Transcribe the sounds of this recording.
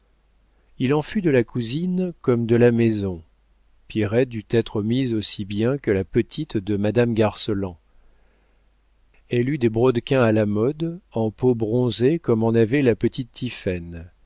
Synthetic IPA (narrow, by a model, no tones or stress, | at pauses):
ilɑ̃fyd̪əlakuzinkɔmd̪əlamezɔ̃ | pjeʁɛt̪̚d̪yt̪ɛt̪χəmizosibjɛ̃kəlapət̪ʰit̪d̪əmad̪amɡaʁsəlɑ̃ | ɛlyd̪ebʁɔd̪kʲɛ̃alamɔd̪ɑ̃pobʁɔ̃zekɔmɑ̃navɛlapət̪it̪ːifɛn